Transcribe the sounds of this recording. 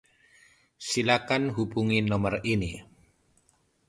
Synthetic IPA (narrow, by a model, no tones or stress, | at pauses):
silakanɦubuŋinɔmərini